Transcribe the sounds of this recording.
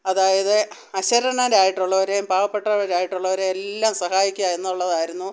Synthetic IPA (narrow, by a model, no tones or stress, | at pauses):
ɐðaːjɐðɨ | ɐɕɐɾɐɳɐɾaːjiʈːuɭːɐʋoɾembaːʋɐpːe̞ʈːɐʋɐɾaːjiʈːuɭːɐɐɾeelːaːmsɐhaːjikʲːuaenːuɭːɐðaːjiɾunːu